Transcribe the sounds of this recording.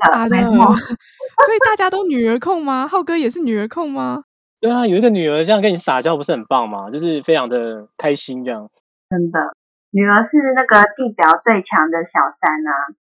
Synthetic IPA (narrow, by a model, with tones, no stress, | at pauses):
t̪ə˥˧˩ɔ˥˧ | sɔ˧˥i˨˩t̪a˥˩t͡ɕja˥t̪o˥ʊny˨˩ə˧˥kʰʊ˥˩ŋma˧xɑ˥˩ʊkɤ˥jɛ˨˩ʂɻ̩˥˩ny˨˩ə˞˧˥kʰʊ˥˩ŋma˧ | t̪we˥˩ɪa˨jo˨˩i˥ɡə˨˩ny˨˩ə˞˧˥ʈ͡ʂjŋkə˦˥ni˨˩˥ʂsa˨˩t͡ɕjɑ˥˧ʊpu˧˥ʂɻ̩˥˩ə˨˩npɑ˥˩ŋma˩t͡ɕjo˥˧ʊʂɻ̩˥˩fe˥ɪʈ͡ʂʰɑ˧˥ŋd̪ə˨kʰa˦ɪɕi˦˥nʈ͡ʂɤ˥˧jɑ˥˩ŋ | tə˥nd̪ə˨ | ny˨˩ə˧˥ʂɻ̩˥˧na˥˩ɡə˨t̪i˥˩pjɑ˨˩˦ʊt͡swe˥˩ɪt͡ɕʰjɑ˧˥ŋd̪ə˨ɕjɑ˨˩ʊsa˦˥na˧